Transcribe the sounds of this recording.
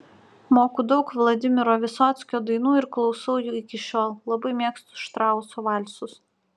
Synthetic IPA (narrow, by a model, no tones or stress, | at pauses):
moːkuːd̪ɒʊkʋlˠɐd̪ʲɪmʲɪɾoːʋʲɪsɔːt̪sʲkʲoːd̪ɐɪnuːɪɾklˠɒʊsɐʊjuːɪkʲɪʃʲoːlˠlˠɐbɐɪmʲeːkst̪ʊ̥sʃt̪ɾɑˑʊsoːʋɑlʲsʊs